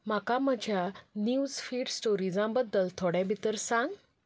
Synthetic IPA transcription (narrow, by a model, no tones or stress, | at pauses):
makaməd͡ʑʱjaniud͡zfiːɖsʈoɾid͡zãbəd̪ːəlt̪ʰoɽjãbʱit̪əɾsãŋɡ